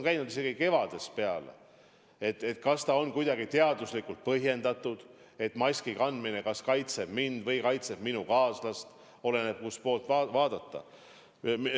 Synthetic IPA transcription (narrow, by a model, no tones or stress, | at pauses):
nkæjnud̪̥ise̞ɡ̥ike̞vɑd̪̥e̞spe̞ɑlḛ | e̞t̪ːˑe̞t̪ˑkɑst̪ɑo̞nkujd̪̥ɑɡit̪e̞ɑd̪uslikːˑult̪̚pɤɦje̞nd̪̥ɑt̪ːud̪̥ | e̞t̪mɑsʲkikɑnd̪minekɑskɑjt̪seb̥mind̪̥vɤjkɑjt̪seb̥minukɑːslɑst̪ | o̞le̞neb̥̚kuspo̞ːlt̪vɑvɑːd̪̥ɑt̪ˑːɑ̰